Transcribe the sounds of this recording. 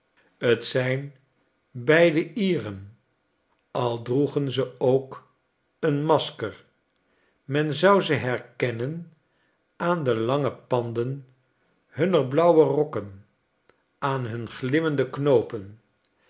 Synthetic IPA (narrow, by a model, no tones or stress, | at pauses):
ətsɛjn | bɛjdəʔiːrən | ɑlˠdruχənzəowk | ənmɑskəɹ | mɛnzʌwzəɦɛɹkɛnən | ʔaːndəlɑŋəpɑndən | ɦɵnərblʌwərɔkən | ʔaːnɦɵnχlɪməndəknowpən